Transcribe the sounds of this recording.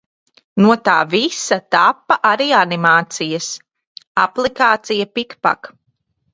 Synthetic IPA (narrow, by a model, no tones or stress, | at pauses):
nuɔt̪aːvisat̪apːaʔaɾiːanimaːt̪sijɐs | aplˠikaːt̪sijapikpa̰k